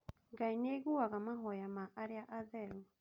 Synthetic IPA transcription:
ɡaineɣuaɣamaɦɔjamaʔaɾeaʔaðɛɾu

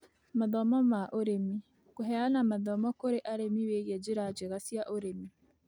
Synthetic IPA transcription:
maðɔmɔmaʔoɾemi | koɦɛanamaðɔmɔkoɾeʔaɾemiweɣɛd͡ʒeɾad͡ʒeɣasijaʔoɾemi

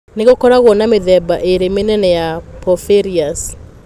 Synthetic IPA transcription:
neɣokɔɾaɣwɔnameðɛbaʔeɾemenɛnɛjapɔfeɾias

